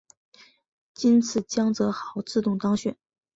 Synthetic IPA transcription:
t͡ɕi˥nt͡sʰɹ̩˨˩t͡ɕjɑ˥ŋt͡sɤ˧˥xɑ˨˧˩ʊt͡sɹ̩˥˧t̪ʊ˥˩ŋt̪ɑ˥ŋɕɥɛ˨˩n

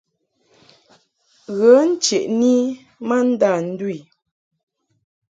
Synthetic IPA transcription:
ɣə˨˦n̩˦t͡ʃe˨ʔni˦ | ma˦n̩˦da˦˨n̩˦di˦˨

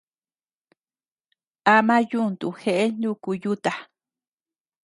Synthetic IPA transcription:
a˧mã˦ju˦˨nt̪u˨xe˧ʔe˦nũ˦ku˧ju˦t̪a˨

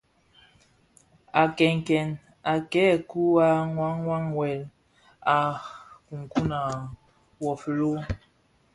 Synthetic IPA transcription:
a˨kɛ˨ŋ˨kɛ˨n | a˨kɛ˦˨ku˦a˦ŋwa˦ŋːwa˦ŋwɛ˨l | a˨ku˨ŋ˨ku˦na˨ | wɔ˨flo˦

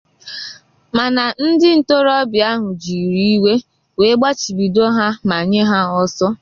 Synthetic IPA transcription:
ma˨na˨n̩˦dɪ˦n̩˨to˦ɾɔ˦bja˦ɦʊ˨d͡ʒi˨ɾi˦i˦we˦ | we˨˦ɡ͡ba˦t͡ʃi˨ɡ͡bi˨do˦ɦa˦ma˨ɲe˦ɦa˦ɔ˦sɔ˦

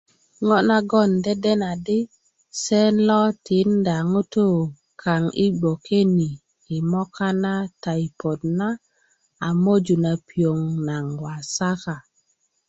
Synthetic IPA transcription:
ŋɔ˦na˦ɡɔ˦˨nde˦de˦na˨di˦ | se˦nlɔ˦tʰi˨˦nda˨ŋo˦to˦ | kʰa˨ŋi˦ɡ͡bo˨ke˦ni˨ | i˨mɔ˦ka˦na˦ta˨jpo˨dna˦ | a˨mo˦d͡ʒu˨na˨pi˨o˨ŋna˨ŋwa˨sa˦ka˨

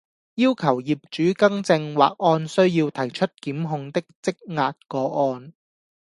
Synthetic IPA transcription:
jiː˥wkʰɐ˨˩wjiː˨p̚t͡ʃyː˨˥kɐ˥ŋt͡sɪ˧ŋwa̰ː˨k̚ʔɔː˧nsɵ˥ɥjiː˧wt̪ʰɐ˨˩jt͡ʃʰɵ˥t̚kiː˨˥mɦʊ˧ŋt̪ɪ˥k̚t͡sɪ˥k̚ŋaː˧t̚kɔː˨˥ɔː˧n

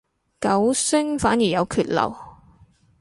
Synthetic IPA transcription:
kɐ˨˥wsɪ˥ŋfaː˨˥njiː˨˩jɐ˨˧wkʰyː˧t̚lɐ̰˨˩w

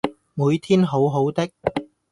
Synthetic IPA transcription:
muː˨˧jt̪ʰiː˥nɦo˨˥wɦo˨˥wt̪ɪ˥k̚

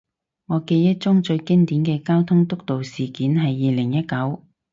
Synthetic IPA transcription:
ŋɔː˨˧ke˧jːɐ˥t̚t͡sʊ˥ŋt͡ʃɵ˧ɥkɪ˥ŋt̪iː˨˥nkɛː˧kaː˥wt̪ʰʊ˥ŋt̪ʊ˥k̚t̪o˨wsiː˨kiː˨˥nɦɐ˨jːiː˨˧lɪ˨˩ŋjɐ˥t̚kɐ˨˥w

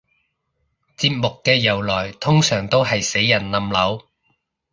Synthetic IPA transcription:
t͡siː˧p̚mʊ˨kːɛː˧jɐ˨˩wlɔː˨˩jt̪ʰʊ˥ŋsœː˨˩ŋt̪o˥wɦɐ˨jse˨˥jːɐ˨˩nlɐ˨˧mlɐ˨˥w

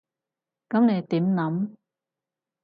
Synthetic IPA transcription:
kɐ˨˥mne˨˧jt̪iː˨˥mnɐ˨˥m

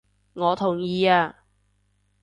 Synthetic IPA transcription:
ŋɔː˨˧t̪ʰʊ˨˩ŋjiː˧aː˧

